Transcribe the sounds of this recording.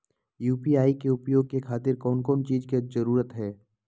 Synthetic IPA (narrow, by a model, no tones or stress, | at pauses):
juːpiaːikeʊpjoːɡ̚kekʰaːt̪ɪɾkɔːnkɔːnt͡ʃiːzkezɐɾuːɾət̪ɦɛː